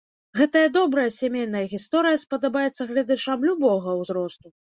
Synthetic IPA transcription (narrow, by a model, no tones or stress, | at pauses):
ɣɛt̪ɐjɐd̪ɔbɾɐjɐsʲamʲejnɐjɐɣʲist̪ɔɾɨjɐspɐd̪abajɛt̪sːɐɣlʲad̪at͡ʂamlʲubɔɣɐwzɾɔst̪u